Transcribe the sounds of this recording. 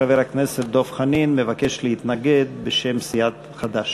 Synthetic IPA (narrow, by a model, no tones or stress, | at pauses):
aveʁhakneset̪̚d̪o̞fχaninmevake̞ʃlehit̪naɡed̪̚beʃemsijat̪ | χad̪aʃ